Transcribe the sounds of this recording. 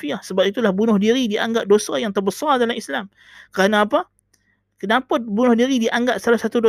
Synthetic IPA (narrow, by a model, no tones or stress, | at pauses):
fiahsəbap̚it̪ulahbunʊhdiɾidiʔa̰ŋɡap̚dosajaŋt̪ərbəsardalamislam | kəɾanaːpa | kənãpət̪̚bunʊhdiɾidiʔaŋɡap̚salahsat̪udo